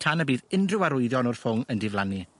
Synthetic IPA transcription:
tʰanəbiːðɪndrɪwaɾʊɨðjɔnɔr̥fʊŋəndɪvlˠani

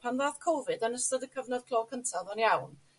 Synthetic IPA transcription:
pʰanðaːθkʰowvɨdanəstɔðəkʰəvnɔd̚kʰlˠɔːkʰəntʰaðɔnjawn

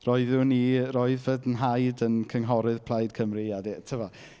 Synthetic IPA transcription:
rɔɨðuniroɨðvədənɦajdənkʰəŋɦɔɾɨð̥pʰlˠajd̥kʰəmriadɛtʰəvɔ

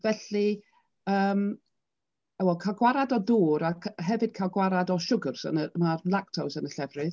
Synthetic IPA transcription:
vɛɬi | əːm | awɔkʰaɡwaɾadɔduːɾakʰɦɛvɨd̥̚kʰalˠɡwaɾadɔʃʊɡʊrsə̰nəmarlˠaktʰawsənəɬɛvrɨð

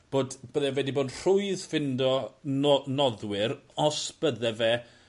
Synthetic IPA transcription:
b̥oːdb̥əðɛvɛdiboːdr̥ʊɨðfɪndɔ | nɔðwɪɾɔsb̥əðɛvɛ

